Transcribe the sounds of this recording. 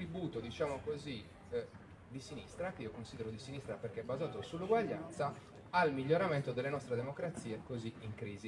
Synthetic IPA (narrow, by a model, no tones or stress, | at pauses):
ɾibuːt̪od̪it͡ʃaːmokozi | d̪isinist̪ɾakeiokonsiːd̪ɛɾod̪isinist̪ɾapɛrkeɛbːazaːt̪osulːuɡwaʎːa̰nt̪saː | lmiʎːoɾamɛnt̪od̪ɛlːenɔst̪ɾed̪emokɾat̪sːiːekoziiŋkɾiːzi